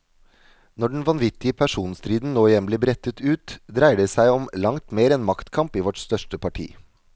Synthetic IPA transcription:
nɔɖɳ̩n̩ʋɑnʋɪt̪ɪəpʰæʂuːnst̪ɾiːd̪n̩noːɪjɛmbleːbɾɛt̪ət̪ʉːt̪d̪ɾæɪɖəsæɪɔmlɑŋt̪meːɾɛnmɑkt̪kʰɑmpiːʋɔʈst̪œʂʈəpʰɑʈʰḭː

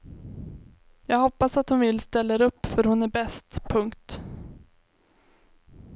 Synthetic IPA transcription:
jɑːɡhɔpːasat̪hʊnvɪlːst̪ɛlːaɾɵpːfœɾhʊnæɾbɛst̪pʰɵŋkt̪

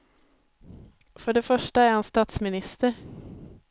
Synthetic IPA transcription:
fɔɖeːfœʂʈəæːɾhɑnst̪ɑːt̪smɪnɪst̪əɾ

